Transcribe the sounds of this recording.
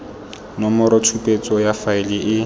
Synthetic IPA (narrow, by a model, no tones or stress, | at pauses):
nɔmɔɾɔtʰupʼet͡sʼɔjafaɪlɪʔɪ